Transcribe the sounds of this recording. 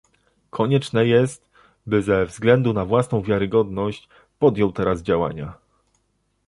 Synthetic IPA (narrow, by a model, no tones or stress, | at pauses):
kʰɔɲɛt͡ʂnɛjɛst̪ | bɘzɛvzɡlɛnd̪unavwasn̪ɔ̃w̃vʲjaɾɘɡɔd̪nɔɕt͡ɕ | pɔd̪jɔwt̪ɛɾazd͡ʑawa̰ɲa̰